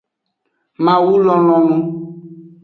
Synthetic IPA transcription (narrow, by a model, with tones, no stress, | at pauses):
mã˨wu˦lɔ˦lɔ̃˨nũ˦